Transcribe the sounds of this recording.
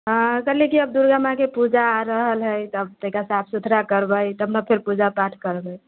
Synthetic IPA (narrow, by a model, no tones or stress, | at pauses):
ə̃kəɾlikiəbd̪uɾɡamakepud͡ʒaɾəɦəlɦəjt̪əb̚t̪əɦikasapʰsud̪ʱɾakəɾbəjt̪əbnəpʰeɾpud͡ʒapaʈʰkəɾbəj